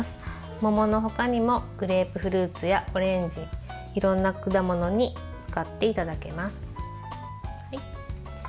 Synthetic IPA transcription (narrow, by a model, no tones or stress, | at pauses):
sɨ̥ | mo̞mo̞no̞ɦo̞kaɲ̟imo̞ɡ̥ɯ̟ɾe̞ːpɯ̟ɸɯ̟ɾɯ̟ːt͡sɨjao̞ɾẽ̞ɲ̟d͡ʑi | iɾõ̞nːakɯ̟d̪amo̞no̞ɲ̟i | t͡sɨ̥kat̪ːe̞it̪ad̪ake̞masɨ̥